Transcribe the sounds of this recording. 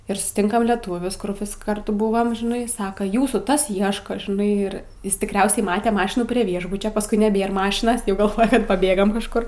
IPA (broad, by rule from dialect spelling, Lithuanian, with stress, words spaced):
ɪr sʊsʲˈtʲɪŋkɐm lʲɛˈtuːʋʲʊs kʊr ʋʲɪs kɐrˈtʊ ˈbʊʋɐm ʒʲɪˈnɐɪ ˈsɑːkɐ ˈjuːsuː ˈtɐs ˈiɛʃkɐ ʒʲɪˈnɐɪ ɪr ˈjɪs tʲɪkˈrʲɛʊsʲɛɪ ˈmɑːtʲɛ ˈmɑːʃʲɪnuː pʲrʲiɛ ˈʋʲiɛʒbʊt͡ʃʲoː pɐsˈkʊɪ nʲɛˈbʲeːr ˈmɑːʃʲɪnɐs ˈjɛʊ ɡɐlˠˈʋoːjɛ kɐt pɐˈbʲeːɡɐm kɐʃˈkʊr